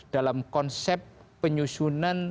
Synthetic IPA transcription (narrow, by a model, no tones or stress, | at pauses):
d̥alamkɔnsɛpː | əɲusunan